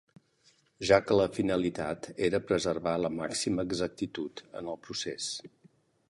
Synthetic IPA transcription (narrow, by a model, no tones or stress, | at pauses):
ʒakələfinəlit̪at̪eɾəpɾəzərβaləmaksiməːɡzək̚t̪it̪ut̪ə̰nəlˠpɾuses